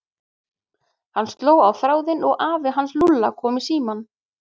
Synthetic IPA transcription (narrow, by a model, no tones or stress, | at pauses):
hanːst̪loːwawθɾaːwðɪnɔɣaːvɪɦanslulːa̰kʰɔːmisiːman